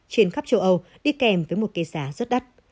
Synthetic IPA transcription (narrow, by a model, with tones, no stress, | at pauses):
t͡ɕi˨˧˩ənxa˦˥p̚t͡ɕə˧wʔə˧w | ɗi˧kɛ˨˩mvəː˨˦jmo˨˩t̚ke˨˧saː˨˦zə˦˥t̚ɗa˦˥t̚